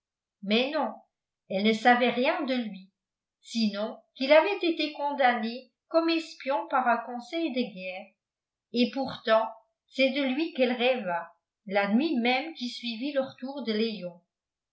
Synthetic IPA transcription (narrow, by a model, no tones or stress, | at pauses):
mɛnɔ̃ | ɛlnəsavɛʁjɛ̃d̪əlɥi | sinɔ̃kilavɛt̪et̪ekɔ̃d̪ane | kɔmɛspjɔ̃paʁœ̃kɔ̃sɛjd̪əɡɛːʁ | epuʁt̪ɑ̃ | sɛd̪əlɥikɛlʁɛva | lanɥimɛmkisɥiviləʁət̪uːʁd̪əlejɔ̃